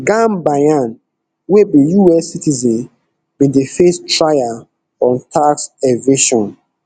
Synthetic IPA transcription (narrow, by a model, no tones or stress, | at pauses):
ɡãmbajãn | webĩjuɛsitizɛ̃n | bĩdefestɹaja | ɔ̃ntʰaksɛveʃɔ̃n